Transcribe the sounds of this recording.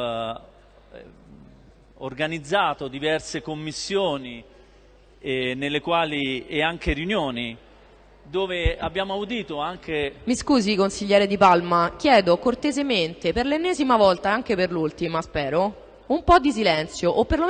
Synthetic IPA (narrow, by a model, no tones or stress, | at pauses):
orɡanid̪zːaːt̪od̪ivɛrsekomːisːjoːni | nelːekwaːlieaŋkeɾjunjoːni | d̪oːveabːjaːmoaud̪iːt̪oaŋkemiskuːzikonsiʎːɛːɾed̪ipalmak̟jɛːd̪okort̪ezement̪eperlenːeːzimavɔlt̪aaŋk̟eperlult̪imaspɛːɾo | umpɔd̪is̬ilɛnt̪sjoʔopːerlom